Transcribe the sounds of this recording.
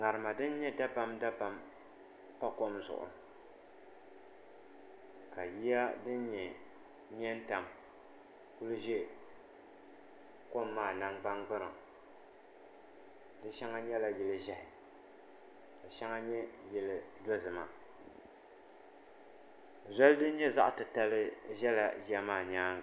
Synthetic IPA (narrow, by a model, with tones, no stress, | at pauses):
ŋa˨ɾɨ˨ma˨dɨ˦n˦ɲɛ˦da˦pa˦mda˦pa˨m | pa˦ko˦mzʊ̰˨ʔʊ̰˨ | ka˨ji˦ja˦dɨ˦n˦ɲɛ˨ | ɲɛ˦n˦ta˨m | ku˦lu˦ʒɛ˦˨ | ko˦mːaː˦˨na˦ŋɡ͡ba˦ŋɡ͡bɨ˦na˨ | dɨ˦ʃɛ˦ŋa˦ɲɛ˦la˦jɛ˨lɨ˦ʒɛ˦hɪ˨ | a˨ʃa˦ŋa˦ɲɛ˦jɛ˨lɨ˨dɔ˦zɨ˨ma˨ | za˦ldɨ˦n̩˦ɲɛ˦za̰˦ʔtɨ˨ta˦lɨ˦ʒɛ˦la̰˨ʒi˦a˦maː˦˨ɲaː˦